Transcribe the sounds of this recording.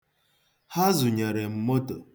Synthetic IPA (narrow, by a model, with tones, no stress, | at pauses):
ha˦zu˨ɲe˨ɾe˨m̩˨mo˦to˨